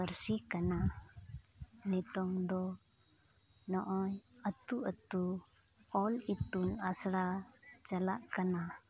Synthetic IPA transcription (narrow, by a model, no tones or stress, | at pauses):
əɾsikana | nit̪ɔŋd̪ɔ | nɔʔɔn | ət̪uət̪u | ɔlit̪unasɽa | t͡ʃalaʔkana